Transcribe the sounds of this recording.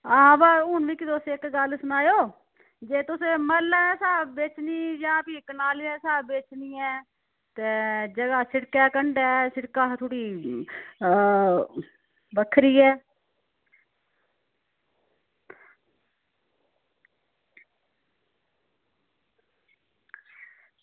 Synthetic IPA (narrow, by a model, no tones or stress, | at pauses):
ãːbaːʊnʋiːkɪd̪oseːɪkɡəlsʊnaːjoː | d͡ʒeːt̪ʊsẽːməɾlɛ̃ːsaːbeːt͡ʃniːd͡ʒãːpiːkənaːliːɛ̃ːsaːbbeːt͡ʃniːɛ̃ː | t̪eːd͡ʒəɡaːsɪɽkɛːkəɳɖɛːsɪɽkaːt̪ʰʊɽiː | bəkʰɾiːɛː